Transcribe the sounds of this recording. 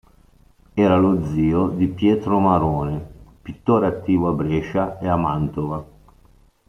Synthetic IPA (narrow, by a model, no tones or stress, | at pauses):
ɛːɾalod̪ziːod̪ipjɛːt̪ɾomaɾoːnepit̪ːoːɾeat̪ːiːvoabːɾɛːʃaeamant̪ova